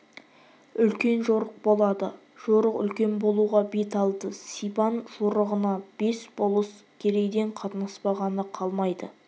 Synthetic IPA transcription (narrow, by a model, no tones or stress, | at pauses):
ʏlkʲe̞nʒo̞ɾəq̚bo̞lˠɑd̪ə | ʒ̥o̞ɾəqʏ̰lkʲe̞nbo̞lˠuʁɑbe̞t̪ɑlˠd̪əsijpɑnʒ̥oɾəʁənɑb̥e̞sbo̞lˠəskʲʰe̞ɾe̞ɡd̪e̞ɴqʰɑt̪ənɑspɑʁɑnəqʰɑlˠmɑjd̪ə